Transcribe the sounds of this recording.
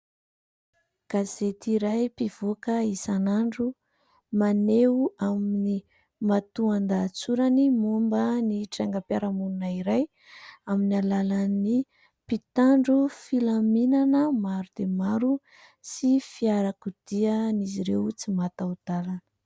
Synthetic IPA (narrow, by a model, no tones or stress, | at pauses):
ɡ̥azet̪iɾajpiv̥okəisanaɳɖ͡ʐu | maneuamini | mat̪uand̪at͡suɾanimumbəniʈ͡ʂaŋɡəpjaɾamununaiɾaj | aminalalani | pit̪aɳɖ͡ʐufilaminanəmaɾud̪̥emaɾu | sifiaɾakud̪̥ianiziɾewt͡simat̪awd̪̥alanə̥